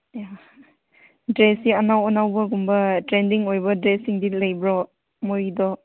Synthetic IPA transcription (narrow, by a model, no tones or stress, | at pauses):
ja | dɾesiɐnawɔnawbɐɡumbɐtɾendiŋojbɐdɾesiŋdilɐjbɾɔ | mojdɔ